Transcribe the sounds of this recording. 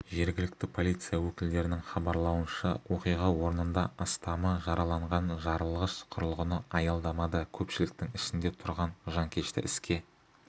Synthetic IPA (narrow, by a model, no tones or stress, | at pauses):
ʒe̞ɾɡʲɪlɪk̚t̪ɪpʰo̞lˠijt̪sɨjawɵkʲɪld̪e̞ɾɪnɪŋχɑbɑɾlˠɑwənʃɑ̰wo̞qijʁɑwo̞ɾnənd̪ɑɑst̪ɑmɑʒɑɾɑlˠɑɴʁɑnʒɑɾəlˠʁəʃqʰʊɾəlˠʁənəɑjɑlˠd̪ɑmɑd̪ɑkʲʰɵpʃɪlɪk̚t̪ɪŋɪʃɪnd̪e̞t̪ʰʊɾʁɑnʒɑŋkʲʰe̞ʃt̪ɪ̰ʔɪskʲʰe̞